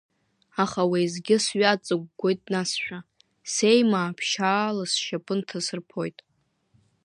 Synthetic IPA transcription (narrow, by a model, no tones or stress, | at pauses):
aχawejzɡʲɪsɥat͡sʼɨɡ̚ʷɡʷojtʼnasʃᶣa | se̞jmaːpʰʃaːlasʃapʼɨntʰasɨrpʰo̞jtʼ